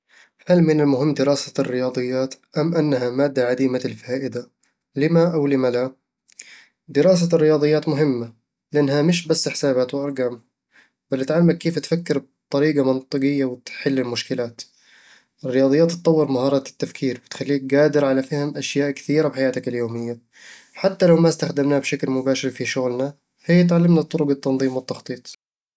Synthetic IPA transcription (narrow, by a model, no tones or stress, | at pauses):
halmɪnɪlmʊɦɪmːd̪ɪɾɑːsarːɪjɑːd̪ˤɨjːaːt̪ʔamʔanːɦamaːd̪ːaʕad̪iːmaɪlfaːʔɪd̪a | lɪmaʔawlɪmala | d̪ɪɾɑːs̬arːɪjɑːd̪ˤɨjːaːt̪mʊɦɪmːa | lɪʔanːhamɪʃbasːħɪ̥saːbaːt̪wɪʔɑɾˤɡaːm | b̥alːɪt̪ʕalːmakkːeːft̪fakːɪɾb̚ | t̪ˤɑɾiːɡɑmɑnt̪ˤɨqɪjːawɪt̪ħɪlːɪlmʊʃkɪlaːt̪ | ʔɪrːɪjɑːd̪ˤɨjːaːt̪t̪t̪ˤːɑwːɪɾmaɦɑːɾˤɑt̪ːafkʰiːɾwɪt̪xalːiːk̚ɡaːd̪ɪɾʕalafahɪmʔaʃjaːʔkθiːɾabħajaːt̪ɪkɪljoːmɪjːa | ħat̪ːalawmast̪axd̪ɪmnaːbʃaklmʊbaːʃɪɾfiʃʊɣlna | hɪjːat̪̬ʕalːɪmnat̪ːˤʊɾʊɡat̪ːɑnðˤiːmwɪt̪ːɑxt̪ˤiːt̪ˤ